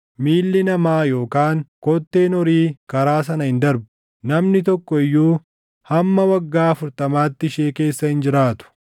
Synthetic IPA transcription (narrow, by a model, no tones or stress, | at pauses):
miːlːɪnɐmaːjo̞ːkaːŋkɔt̪ːe̞ːnɔɾiːkɐɾaːs̬ɐnɐhɪnd̪ɐɾbʊ | nɐmnɪt̪ɔkːɔɪjːuː | hɐmːɐwɐɡːaːɐfʊɾt̪ɐmaːt̪ːɪʃeːke̞ːsːɐhɪnd͡ʒɪɾaːt̪ʊ̥